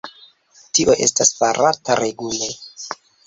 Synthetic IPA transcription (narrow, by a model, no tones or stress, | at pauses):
tiʔoʔe̞̰staspaɾʔataɾeɡule